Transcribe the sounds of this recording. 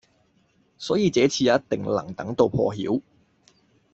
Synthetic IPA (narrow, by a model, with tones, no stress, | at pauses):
sɔː˨˥jiː˨˧t͡sɛː˨˥t͡sʰiː˧ja˨˦ɐ˥t̚t̪ɪ˨ŋlɐ̰˨˩ŋt̪ɐ̰˨˥ŋt̪o˧wpʰɔ̰ː˧ɦḭː˨˥w